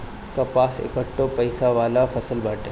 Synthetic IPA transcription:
kapaːsḛkəʈːõpɐɪsaʋaːlafɐsəlbaːʈẽ

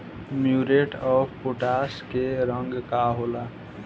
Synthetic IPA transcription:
mjuɾeʈɔbpoʈaskeɾəŋɡkaɦola

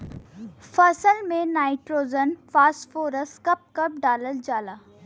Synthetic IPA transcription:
fɐsəlmẽnaːɪʈɾoːzənfaːsʈfoːɾəskɐp̚kɐp̚ɖaːləld͡ʒaːlaː

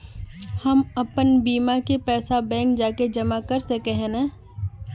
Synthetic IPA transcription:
hɐmɐpənbiːmakepɛːsabɛ̃ːŋk̚d͡ʒaːked͡ʒɐmakɐɾsekɛɦẽnɛ̃ː

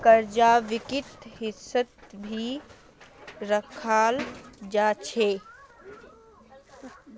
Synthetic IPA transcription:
kəɾd͡ʒaːʋikɪt̪ɦɪsət̪bʱi | ɾəkʰaːld͡ʒaːt͡ʃʰe

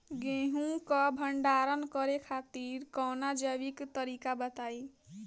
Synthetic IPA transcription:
ɡẽɦũkɔbʱʌɳɖaɾʌnkʌɾekʰat̪iɾkɔwnad͡ʒʌbikt̪ʌɾikabʌt̪aj

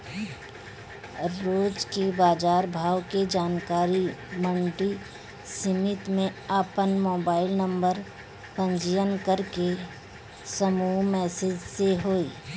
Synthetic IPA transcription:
ɾoːd͡ʒkebaːd͡ʒaːɾbʱaːwked͡ʒaːnkaːɾimə̃ɳʈi | sɪmɪt̪mẽaːpənmoːbaːɪlnə̃mbəɾ | pə̃ɲd͡ʒijənkəɾke | səmuːmɛːsed͡ʒseɦoːiː

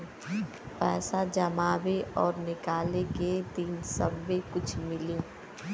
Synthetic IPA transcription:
pɛːsad͡ʒɐmaːbeɔːɾnɪkaːleket̪iːnsɐ̰bːekʊt͡ʃʰmɪlĩː

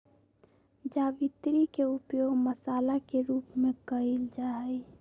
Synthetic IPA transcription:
d͡ʒaːʋit̪ɾikeʊpjoːɡməsaːlakeɾuːpmẽkəild͡ʒaːɦəj

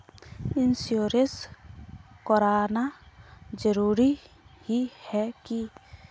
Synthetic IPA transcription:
ɪnsjoːɾəs | kɔɾaːna | d͡ʒəɾuːɾi | hihɛki

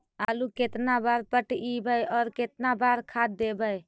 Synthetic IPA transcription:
aluket̪nabaɾpəʈibəjɔːɾket̪nabaɾkʰad̪d̪ebəj

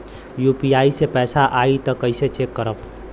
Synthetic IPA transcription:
juːpiaːisepɛːsaʔaːit̪ɔkəɪset͡ʃeːkːəɾəp

